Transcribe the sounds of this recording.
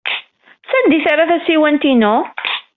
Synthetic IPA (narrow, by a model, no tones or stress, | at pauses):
sænd̪iθaɾːaθæsiwænt̪inʊ